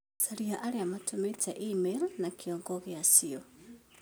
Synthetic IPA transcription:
saɾiaʔaɾeamatʰometɛʔimelnakʰiɔːŋɡɔɣeasiɔ

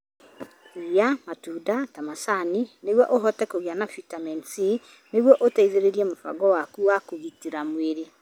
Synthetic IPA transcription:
ɣjamatuːdatamasanineɣwɔʔoɦɔtɛkoɣianafitamɛnsi | neɣwɔʔotaiðeɾeɾiɛmofa̰ɡɔwakuwakoɣitiɾamweɾe

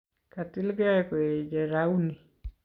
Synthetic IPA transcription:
katilɡaɛkwed͡ʒɛɾauni

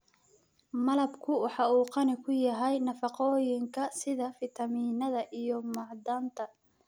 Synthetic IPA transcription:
mɐlɐbkʰʊwɑħɑuːqɑnɪkʰʊjɐɦɛjnɐfɑqɔːjɪŋkʰɐsɪðɐfɪt̪ʰɐmiːnɐðɐʔijɔmɑʕd̪aːnt̪ʰɐ

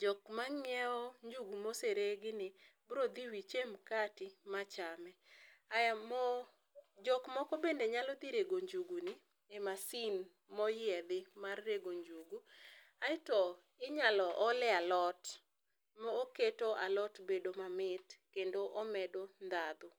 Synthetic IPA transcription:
d͡ʒɔkmaŋɛɔɲd͡ʒuɡumoseɾeɡɪnɪbɾod̪iwit͡ʃemkatɪmat͡ʃamɛaj | d͡ʒɔkmɔkɔbendeɲalɔd̪iɾeɡoɲd͡ʒuɡunɪ | emasin | mɔjɪɛd̪ɪmarːeɡoɲd͡ʒuɡu | aɪtɔ | ɪɲalɔʔɔlɛalɔt | mɔoketoʔalɔtbedomamɪt̪kendoʔɔmɛdond̪ad̪ʊ

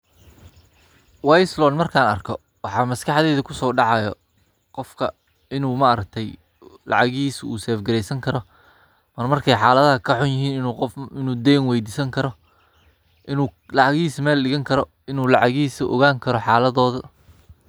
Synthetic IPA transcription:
wajslɔːnmɐrkʰaːnɐ̰rkʰɔ | wɑħɑːmɐskʰɐħðɛːðɐkʰʊsɔːɖɑʕɑjɔ | qɔfkʰɐ | ɪnuːmɐɾɐk̚t̪ʰɛj | lɑ̰ʕɑɣiːsṵːsɛːfɡɐɾɛjsɐŋkʰɐɾɔ | mɐrmɐrkʰɛjħɑːlɐðɐɦɐkʰɐħʊnjɪɦiːnɪɪnuːd̪ɛːŋwɛjd̪iːsɐŋkʰɐɾɔ | ʔɪnuːlɑʕɑɣiːsmɛːlɗɪɣɐŋkʰɐɾɔ | ɪnuːlɑʕɑɣiːsɐʔɔ̰ɣaːŋkʰɐɾɔħɑːlɐðɔːðɐ

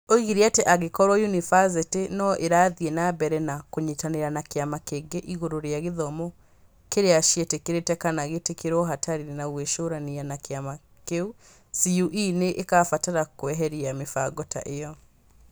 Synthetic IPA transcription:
oiɣiɾiateʔaɣekɔɾwɔjunifaz̬itenɔʔeɾaːðienabɛɾɛnakoɲetaneɾanakeamakeɡeʔiɣoɾoɾeaɣeðɔmɔ | keɾeaʃietekeɾetɛkanaɣetekeɾɔɦataɾiɾenaɣweʃoɾanianakeama | keu | siuʔineʔekaːfataɾakwɛɦɛɾiamefaɡɔta̰ʔejɔ

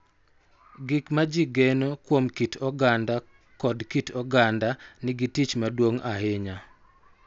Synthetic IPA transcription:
ɡɪkmad͡ʒiɡɛnokwomkitʰɔɡanda | kɔdkitʰɔɡandanɪɡitit͡ʃmadwoŋahɪɲa

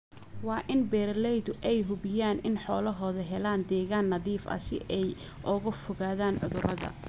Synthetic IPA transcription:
wɑːʔɪnbɛːrlɛjd̪ʊʔɛjɦʊβɪjaːnʔɪnħɔːlɐɦɔːðɐɦɛlaːnd̪ɛːɣaːnːɐðiːfɐ̰sɪ̰ʔɛj | ʔɔɣʊfʊɣaːðaːnʕʊðʊɾɐɣɐ̰

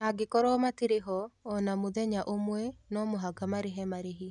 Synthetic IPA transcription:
aɡekɔɾɔmatiɾeɦɔːnamoðɛɲaʔomwɛnɔmoɦaɡamaɾeɦɛmaɾeɦi

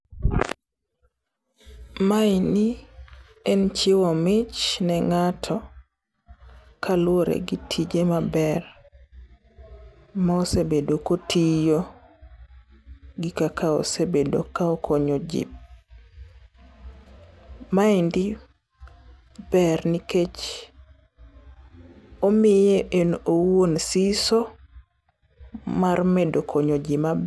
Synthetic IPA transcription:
maini | ɛnt͡ʃɪwɔmɪt͡ʃnɛŋatʰɔ | kʰalwoɾɛ̰ɡitʰid͡ʒemabɛr | maɔsebedokotijo | ɡikakao̰sebedokaokʰoɲod͡ʒḭp̚ | maindi | b̥ɛrniket͡ʃ | omɪjeʔenowonsiso | marmedokʰoɲod͡ʒimab

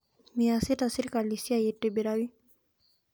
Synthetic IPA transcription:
miasit̪asiɾkalisiajiʈːebiɾawi

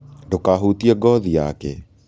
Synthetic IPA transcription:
dokaɦutiɛɡɔðia̰ːkɛ

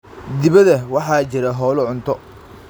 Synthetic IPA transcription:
d̪ɪβɐðɐwɑħɑːt͡ʃɪɾɐɦɔːlɔʕʊnt̪ʰɔ

